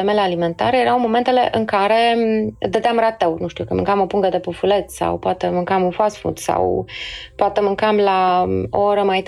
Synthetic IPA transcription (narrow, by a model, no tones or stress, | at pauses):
emelealime̞nt̪a̰ɾejeɾawmo̞me̞nt̪e̞le̞̰ʔɨŋkaɾe̞d̪əd̪eamɾat̪ewnuʃt̪iukəmɨ̰ŋkamo̞puŋɡəd̪e̞pəfulet̪sa̰wpoat̪emɨŋkamunfasfṵt̪sa̰wpoat̪emɨŋkamlao̰oɾəmajt̪